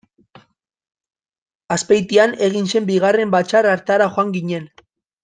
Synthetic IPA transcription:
aspejt̪iane̞ɣ̞inse̞mbiɣare̞mbat͡ʃaraɾt̪aɾaxoaŋɡiɲe̞n

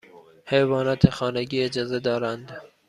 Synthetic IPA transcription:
hejvɑːnɑt̪ʰexɑːneɡiːed͡ʒɑːzed̪ɒːɾand̪

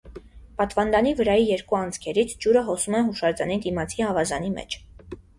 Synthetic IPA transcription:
pɑt̪vɑnd̪ɑnivəɾɑjijɛɾkuɑnd͡zkʰɛɾit͡sʰd͡ʒuɾəɦɔsumɛɦuʃɑɾd͡zɑnid̪imɑt͡sʰiɑvɑzɑnimɛ̰t͡ʃʰ

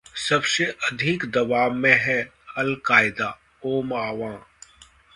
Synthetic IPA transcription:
sɐbseʔɐd̪ʱikd̪ɐʋaːmẽɦɛ | hɐlkaːɪd̪aː | oːmaːʋãː

